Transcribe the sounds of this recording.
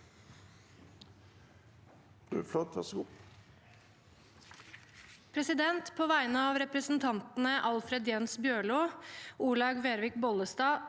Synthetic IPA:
ʉ̰flɔt̪ɑsɡu | pʰɾɛsɪd̪ɛnt̪pʰoːʋæɪnəɑːʋɾɛpɾəsn̩t̪ʰɑnt̪n̩əʔɑlfɾɛd̪jɛnsbjøːɭoːʔuːɭɑɡʋeːɾʋɪkbɔləst̪ɑː

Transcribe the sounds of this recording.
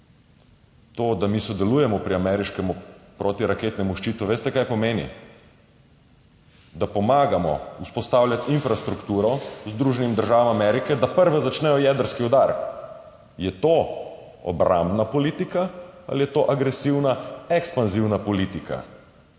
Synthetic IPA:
t̪oːd̪amisɔd̪ɛluːjɛmɔpɾiamɛɾiʃkɛmupɾoːt̪iɾaket̪nɛmuʃt͡ʃit̪uʋeːst̪ɛkajpɔmeːnḭ | d̪apɔmaːɡamɔ̰uspɔst̪aːwlʲjʲat̪infɾast̪ɾukt̪uːɾɔzd̪ɾuːʒɛnimd̪əɾʒaːʋamamɛɾikɛd̪apəɾʋɛzat͡ʃnɛjɔjɛd̪əɾskiɔd̪aɾ | jɛt̪oː | ɔ̰bɾʔa̰mbnapɔliːt̪ikaa̰lijɛt̪oːʔaɡɾɛsiwnaɛkspanziwnapɔlit̪ika̰

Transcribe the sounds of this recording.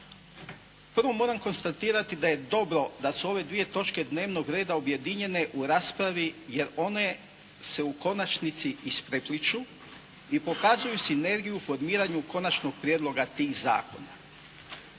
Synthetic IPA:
pərɾ̩ʋo̞mo̞ːɾamko̞nst̪at̪iːɾat̪id̪aje̞d̪o̞bɾo̞d̪asuo̞ʋe̞d̪ʋije̞t̪o̞t͡ʃke̞d̪ne̞ːʋno̞ɡɾe̞ːd̪aobje̞d̪iɲe̞ne̞ʔuɾaːspɾaʋije̞ɾo̞ne̞ | se̞uko̞nat͡ʃnit̪siispɾe̞plit͡ʃu | ipo̞kaːzujusine̞ɾɡijufo̞ɾmiːɾaɲuko̞nat͡ʃno̞ɡ̚pɾijeːd̪lˠo̞ɡat̪iːxza̰ːko̞̰na̰

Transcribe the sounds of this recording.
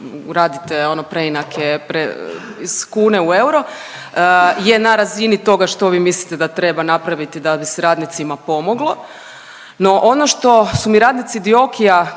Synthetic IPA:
ɾaːd̪it̪eonopɾeinakʰepɾeiskuːne̞ue̞wɾo̞ | je̞naɾazinit̪o̞ɡaʃt̪o̞ʋiːmislit̪ed̪at̪ɾe̞banapɾaʋit̪id̪abiseɾaːd̪nit̪simapo̞mo̞ɡlˠo | no̞ʔo̞no̞ʃt̪o̞sumiɾaːd̪nit̪sid̪io̞kija

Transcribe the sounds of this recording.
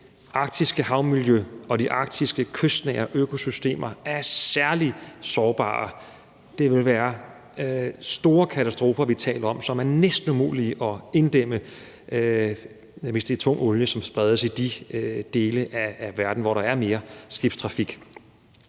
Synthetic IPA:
ʔɑ̈ɡ̥̚d̥ʰisɡ̥əhɑ̈ʊmiljøɒ̽d̥iʔɑ̈ɡ̥̚d̥isɡ̥əkʰøsd̥nɛ̰ɪɐʔøkʰo̝sysd̥e̝̰ːmɐæɐsæɐlisɒːb̥ɑ̰̈ː | d̥e̝ʋe̝lʋæːɐ | sd̥o̝ːɐkʰæt͡sʰæsd̥ʁo̝ːfɐʋit͡sʰɛ̰ːlɐɒ̽msɒ̽mæɐnesd̥n̩umṵːliʔɒ̽e̝nd̥em̰ə | ʋe̝sd̥e̝t͡sʰɔ̽ŋ̰ɔ̽ljəsɒ̽msb̥ʁɛð̞ˠəsid̥id̥e̝ːləʔæːʋæɐd̥n̩ʋɒɾɑ̈æɐme̝ːɐsɡ̥ib̥st͡sʰʁɑ̈fiɡ̥

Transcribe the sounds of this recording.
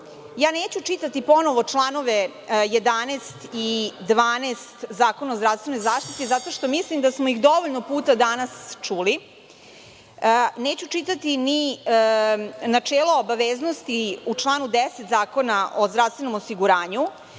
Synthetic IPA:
jaːneːt͡ɕut͡ʃit̪at̪ipo̞no̞ʋo̞t͡ʃlˠaːno̞ʋe | jed̪anest̪id̪ʋaːneːst̪zaːko̞naozd̪ɾafst̪ʋeno̞jzaːʃt̪it̪izat̪o̞ʃt̪o̞mislimd̪asmo̞ixd̪o̞ʋoʎnopuːt̪ad̪anast͡ʂuli | neːt͡ɕut͡ʃit̪at̪ini | nat͡ʂeːlˠoobaʋeːznost̪iut͡ʃlˠaːnud̪eset̪zaːko̞naʔozd̪ɾafst̪ʋeno̞mosiɡuɾaːɲu

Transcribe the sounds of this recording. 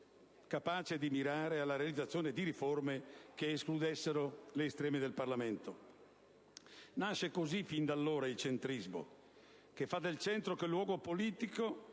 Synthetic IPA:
kapaːt͡ʃed̪imiɾaːɾealːaɾealid̪zat̪sːjoːned̪iɾiformek̟eːsklud̪esːeɾoleːst̪ɾɛːmed̪elparlament̪o | naʃːekozifind̪alːoːɾailt͡ʃent̪ɾizmo̰ | kefːad̪elt͡ʃɛnt̪ɾokelːwɔːɡopoliːt̪iko

